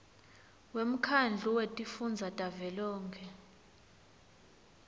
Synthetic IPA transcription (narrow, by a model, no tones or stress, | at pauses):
wem̩kʰand͡ɮʱuwetʼifund͡zʱatʼavɛlɔːŋkʰɛ